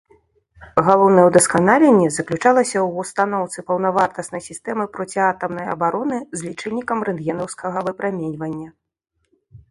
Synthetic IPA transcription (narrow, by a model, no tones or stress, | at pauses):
ɣalˠɔwnɐjɛwd̪ɐskanalʲɛnʲːɛzɐklʲut͡ʂalˠɐsʲɐwust̪anɔwt̪sɨpɐwn̪ɐvart̪ɐsnɐjsʲist̪ɛmɨpɾɔt͡sʲiat̪ɐmnɐjɐ̰baɾɔnɨzʲlʲit͡ʂɛlʲikɐmrɨnd̪ɣɛnɐwskʰɐɣɐvɨpɾamʲenʲvɐnʲːɐ